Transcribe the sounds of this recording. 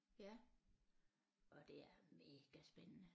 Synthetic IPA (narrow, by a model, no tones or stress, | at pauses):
jæ | ʔɒ̽d̥e̝æɐme̝ːɡ̥æsb̥enənə